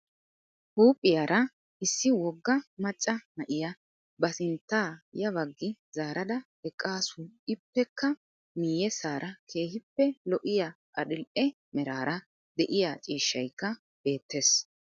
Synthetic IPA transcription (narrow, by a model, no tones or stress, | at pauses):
huːpʼːɪjaːɾɐ | ʔɪsːɪwɔɡːɐmɐt͡ʃʼːɐnɐʔɪjɐ | bɐsɪnt̪ːaːjɐβɐɡːɪzaːɾɐd̪ɐ | ɛkʼːaːsʊɪpːɛkːɐ | miːjɛsaːɾɐkʰe̞ːhɪpːɛlɔʔɪja | ʔɐɗɪlʔɛ | mɛɾaːɾɐ | d̪ɛʔɪjat͡ʃʼiːʃːɐjkːɐ | b̥e̞ːt̪ːe̞ːs